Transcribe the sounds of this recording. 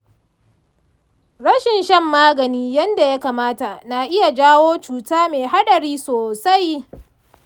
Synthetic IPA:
ɽɐ˦ʃɪ˨nʃɐ˦mːaː˦ɡɐ˨niː˦jɐ˦nda˨ja˦kaː˨maː˦ta˨na˨ʔɪ˦ja˨d͡ʒaː˦woː˦t͡ʃuː˨taː˦meː˨ɦa˦ɗɐ˨ɽiː˦soː˨sa˦j

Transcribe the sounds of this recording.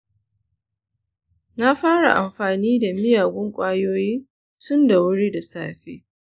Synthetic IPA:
na˦ɸaː˦ɽa̰˨ʔa˨mɸaː˨niː˦da˨mɪ˦jaː˨ɡʷʊ˦ŋkʷʼaː˦joː˦jiː˦ | tʊ˦nda˨wʊ˦ɽi˦da˨saː˦ɸḛː˦

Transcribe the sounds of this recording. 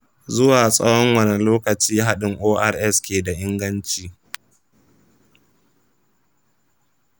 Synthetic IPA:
zʊ˦waː˨sʼɐ̰˦wɔ˦ŋwɐ˨nɪ˨loː˦kɐ˨t͡ʃiː˦ɦa˦ɗɪ˨ŋʔoː˦ʔa˦˨rʔɛ˦˨skʲeː˨da˨ʔɪ˦ŋɡɐ˦nt͡ʃiː˨

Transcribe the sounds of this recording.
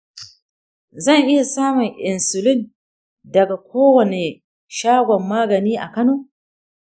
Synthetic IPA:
zɐ˦˨ŋʔɪ˦ja˨saː˦mʊ˨ŋʔɪ˨nsʊ˨lɪ˦˨n | dɐ˨ɡa˨kʷoː˦wɐ˨ne˨ | ʃaː˦ɡʷɔ˨mːaː˦ɡɐ˨niː˦ʔa̰˨kɐ˦noː˦

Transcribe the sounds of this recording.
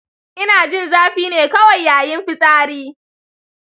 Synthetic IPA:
ʔɪ˦naː˨d͡ʒɪ˦˨nzaː˦ɸiː˦neː˨kɐ˦wɐ˨jːaː˨jɪ˦mɸɪ˦sʼaː˦ɽiː˦

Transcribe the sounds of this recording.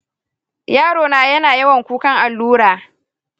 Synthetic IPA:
jaː˦ɽoː˨naː˨jɐ˦naː˨jɐ˦wɐ˨ŋkʷuː˦kɐ˦ŋʔa˨lːuː˦ɽaː˨

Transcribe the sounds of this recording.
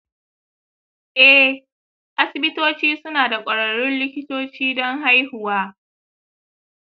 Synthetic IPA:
ʔɛ˦ | ʔa˦sɪ˨bɪ˦toː˦t͡ʃiː˦sʊ˦naː˨da˨kʷʼɐ˨ɽɐ˨ɽʊ˦nlɪ˦kʲɪ˦toː˦t͡ʃiː˦dɔ˦ŋɦa˦jhʊ˨waː˦

